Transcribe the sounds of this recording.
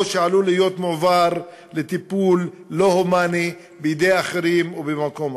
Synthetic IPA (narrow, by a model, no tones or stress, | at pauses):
ʃealulijo̞t̪movaʁ | let̪ipulː | o̞homani | bejid̪ejaχeʁimobemako̞m